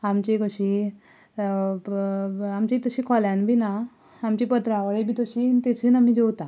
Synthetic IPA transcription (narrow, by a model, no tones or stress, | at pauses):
amt͡ɕekəɕi | amt͡ɕit̪əɕiːkʰɔljãnbʱina | amt͡ɕipət̪ɾaʋəɭebiːt̪əɕint̪et͡sinam̤id͡ʑewt̪a